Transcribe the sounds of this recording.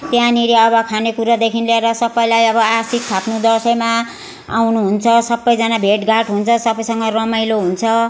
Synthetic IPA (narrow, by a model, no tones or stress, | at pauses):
t̪jãniɾiʌbʌkʰanekuɾad̪ekʰinleeɾʌsʌbːʌjlajʌbʌasik̚t̪ʰapnud̪ʌrsʌjma | a̰wnuɦunt͡sʰʌsʌbːʌjd͡zanabʱeʈɡaʈɦunt͡sʰʌsʌbʌjsʌŋɡʌrʌmajloɦunt͡sʰʌ